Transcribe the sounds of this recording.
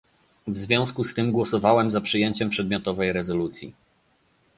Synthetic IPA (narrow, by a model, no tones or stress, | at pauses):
vzvʲjɔ̃w̃skust̪ɘmɡwɔsɔvawɛmzapʂɘjeɲt͡ɕɛmpʂɛd̪̚mʲjɔt̪ɔvɛjɾɛzɔlut̪sʲjḭ